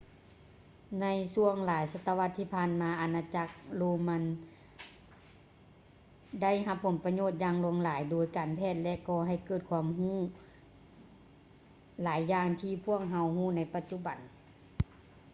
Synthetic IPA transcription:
na˧˥jsu˧əŋlaː˨˦jsa˧t̪ʰːa˧wa˧t̪ʰːiː˧˩pʰaː˧˨nmaː˨˧˦ʔa˨˩naː˧t͡ɕa˧˥k̚loː˧ma˧˥n | da˥˩˨jɦa˧pʰːo˩˦npa˧ɲoː˧˩t̪̚jaː˧ŋlu˧˦əŋlaː˨˦jdoː˨˦jkaː˨˩npʰɛː˧˥˩t̪̚lɛ˧ʔkɔː˧ɦa˧˩jkɤː˧˩t̪̚kʰwaː˧˥mhuː˥˩ | laː˨˦jːaː˧ŋt̪ʰiː˧˨pʰu˥˩ək̚ɦa˧whuː˥˩˨na˧˥jpa˧t̪̚t͡ɕu˧˨ba˨n

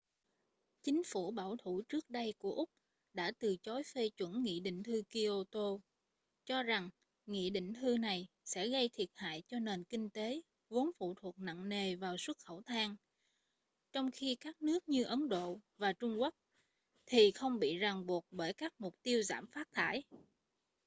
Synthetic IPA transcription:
t͡ɕï˨˦ŋ̟fu˧˩ɓaː˧˩wt̪ʰu˧˩t͡ɕɨ˦˥k̚ɗə˧jku˧˩əʔʊ˦˥k͡p̚ | ɗa̰ː˧˥t̪ɨ˨˩t͡ɕɔ˨˦jfe˧t͡ɕwə˧˩nːḭ˧˨ɗḭ̈˧˨ŋ̟t̪ʰɨ˧ki˧ʔo˧t̪o˧ | t͡ɕɔ˧za˨˩ŋ | ŋḭ˧˨ɗḭ̈˧˨ŋ̟t̪ʰɨ˧na˨˩j | sɛ̰˧˥ɣə˧jt̪ʰi˨˩ət̚ha̰ː˧˨jt͡ɕɔ˧ne˨˩nkï˧ŋ̟t̪e˨˦ | vu˨˦ənfṵ˧˨t̪ʰu˨˩ək̚na̰˧˨ŋne˨˩vaː˨˩wswə˦˥t̚xə˧˩wt̪ʰaː˧ŋ | t͡ɕɔ˧wŋ͡mxi˧kaː˦˥k̚nɨ˦˥ək̚ɲɨ˧ʔə˨˦nɗo̰˧˨vaː˨˩t͡ɕʊ˧ŋ͡mkwa˦˥k̚ | t̪ʰi˨˩xə˧wŋ͡mɓḭ˧˨za˨˩ŋɓu˨˩ət̚ɓəː˧˩jkaː˦˥k̚mʊ˨˩k͡p̚t̪i˧əwza̰ː˧˩mfaː˦˥t̚t̪ʰa̰ː˧˩˨j

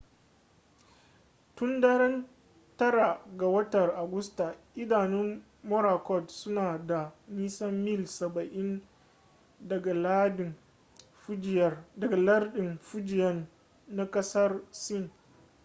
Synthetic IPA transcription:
tʊ˦ndɐ˦ɾɐ˦n | tɐ˦ɾa˨ɡa˨wɐ˦tɐ˨rʔa˨ɡʊ˦sta˨ʔɪ˦daː˨nɪ˦m | mɔ˦ɾa˨kɔ˦˨tsʊ˦naː˨da˨niː˦sɐ˦mːɪ˦˨lsɐ˨bɐ˨ʔɪ˦n | dɐ˨ɡa˨la˦ɗɪ˨ | fd͡ʒjrdɐ˨ɡa˨lɐ˦rɗɪ˨mɸʊ˦d͡ʒɪ˨jɐ˦nː | a˦kʼɐ˦sɐ˦rsɪ˦˨n

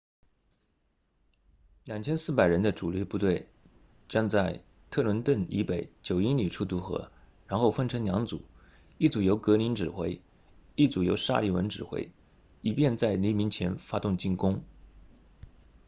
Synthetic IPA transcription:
ljɑ˨˩ŋt͡ɕʰjɛ˥nsɹ̩˥˩pa˨˩ɪɻə˧˥nd̪ə˧ʈ͡ʂu˨˩li˧˥pu˥˧t̪we˥˩ɪ | ʈ͡ʂjɑ˥˧ŋt͡sa˥˩ɪ | t̪ʰɤ˥˩lwə˧˥nt̪wə˥˩ni˧˥pe˨˧˩ɪt͡ɕjo˨˩ʊi˥nli˨˩ʈ͡ʂʰu˥˩t̪u˧˥xɤ̰˧˥ | ɻa˧˥nxo˥˩ʊfə˥nʈ͡ʂʰɤ˧˥ŋljɑ˧˥ŋt͡sṵ˨˩˦ | i˥˩t͡su˨˩jo˧˥ʊkɤ˧˥li˧˥nʈ͡ʂɻ̩˨˩xwe˧˥ɪ | i˥˩t͡su˨˩jo˧˥ʊʂa̰˥˧li˥˩wə̰˧˥nʈ͡ʂɻ̩˨˩xwḛ˧˥ɪ | i˨˩pjɛ˥˧nt͡sa˥˩ɪli˧˥mi˧˥ŋt͡ɕʰjɛ˧˥nfa˥t̪ʊ˥˧ŋt͡ɕi˥˩nkʊ˥ŋ

